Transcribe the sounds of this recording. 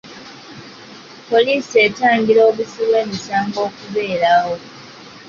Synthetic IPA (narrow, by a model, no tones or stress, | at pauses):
po̞liːsie̞taːŋɡiɾo̞ːβusiβwe̞ːmisaːŋɡo̞ːkuβe̞ːɾaho̞